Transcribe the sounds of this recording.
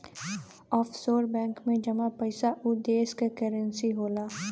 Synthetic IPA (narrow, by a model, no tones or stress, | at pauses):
ɔːfsoːɾbɛ̃ːŋkmẽd͡ʒɐmapəɪsaʔʊd̪eːskekəɾə̃nsiɦoːlaː